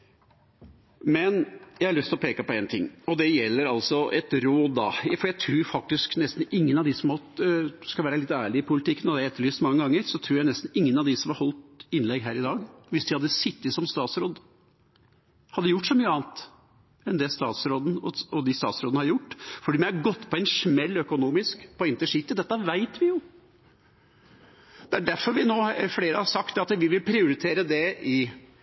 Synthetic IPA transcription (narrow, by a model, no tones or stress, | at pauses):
mɛnjæɪhɑɭʏst̪ɪlɔpʰeːkəpɔeːnt̪ʰɪŋːɔd̪ɛjɛlːəɾɑlsɔʔɛt̪ɾoːd̪ːɑ̰fɔɾjæɪt̪ʰɾuːɾfɑk̚t̪ɪsknɛst̪n̩ɪŋːənɑʋd̪ɪsɔmhɑlt̪skɑʋæːɾəlɪt̪ːæːɭɪɪpʰʊlɪt̪ʰɪkːənɔd̪ɛæɛt̪ːəɭyːst̪mɑŋːəɡɑŋːəɾsɔt̪ʰɾuːɾjæɪnɛst̪n̩ɪŋːənɑʋd̪ɪsɔmɑɾhɔlt̪ɪnlɛɡɦæːɾɪd̪ɑːɡʋɪsd̪ɪhɑd̪ːəsɪt̪ːɪsɔmst̪ɑːt̪sɾoːd̪ | hɑd̪ːəjʊʈːʂɔmyːəɑːnt̪ | ɛnd̪ɛst̪ɑ̰ːt̪sɾoːd̪n̩ɔɔd̪ɪst̪ɑ̰ːt̪sɾoːd̪hɑɾjʊʈːfɔɖiːmɛɪhɑɾɡɔt̪ːpʰɔɛnʂmɛlːœkʊnuːmɪskpʰɔɪnt̪əʂit̪ːəd̪ɛt̪ːəʋæɪt̪ʋɪjʊ | d̪̥ɛæɖæɾfɔɾʋɪnoːfleːɾəhɑɾsɑkt̪d̪ɛɑt̪ʋɪʋɪlpʰɾɪʊɾɪt̪ʰeːɾəd̪ɛɪ